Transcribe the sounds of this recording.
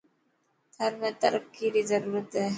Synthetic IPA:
d̪̥ʰʱɐɾmẽt̪ɐ̰ɾəkːiɾizɐɾuːɾət̪ɦɛ

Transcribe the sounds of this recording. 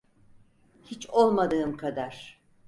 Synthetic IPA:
hit͡ʃo̞lˠmad̪ɯːmkʰad̪aɾ̥

